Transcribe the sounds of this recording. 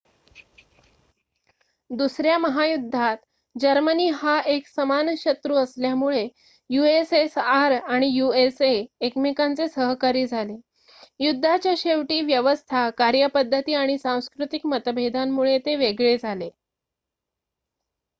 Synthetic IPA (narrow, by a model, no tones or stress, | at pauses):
d̪usɾjaməɦajud̪ʱːat̪ | d͡ʑəɾməniːɦaʔeksəmanɕət̪ɾuːəsljamuɭe | juesesaɾaɽ̃ijueseekmikant͡sesəɦkaɾiːd͡zʱale | jud̪ʱːat͡ɕjaɕeʋʈiːʋjəʋəst̪ʰakaɾjəpəd̪ʱːət̪iːaɽ̃isãw̃skɾut̪ikmət̪əbʱed̪ʱanːuɭet̪eʋeɡɭed͡zʱale